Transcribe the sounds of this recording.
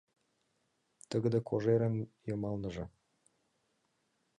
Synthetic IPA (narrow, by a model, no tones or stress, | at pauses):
t̪əɡə̆d̪ə̆kʰoʒeɾə̆njɤmɑlnɤ̆ʒɤ̆